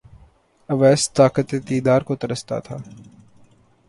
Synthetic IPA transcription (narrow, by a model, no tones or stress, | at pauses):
ɐʋɛːst̪aːkət̪et̪iːd̪aːɾkot̪ɐɾəst̪a̰t̪ʰa̰ː